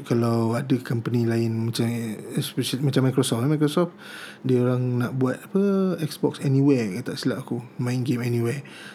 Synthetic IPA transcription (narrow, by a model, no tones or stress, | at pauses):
kalawadəkəmpənilaɪnmat͡ʃamspɛʃalimãt͡ʃamːajkɾosɔflamajkɾosɔf | diəoɾaŋnaʔbuat̪̚apəɛksbɔksɛniwɛkat̪aʔsilaʔakumãinɡemɛnĩwɛ